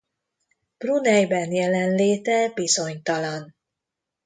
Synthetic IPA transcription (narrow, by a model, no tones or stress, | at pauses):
b̥runɛjbɛnjɛlɛnleːt̪ɛbizo̞ɲt̪ɒlɒn